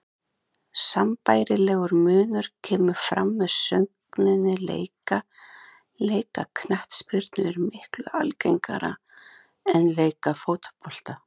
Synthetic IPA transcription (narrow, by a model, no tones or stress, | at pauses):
sampaːjɾɪlɛːɣʏɾmʏːnʏɾ̥cʰɛːmʏɾ̥fɾa̰mːɛð̥sœŋknɪnːɪlḛːjka | leːjkakʰnaht̪spɾɪɾt̪nʏɛɾmɪhklʏ̰alcejŋka̰ɾa̰ | ɛnleːjkafoːwt̪pʰɔl̥t̪a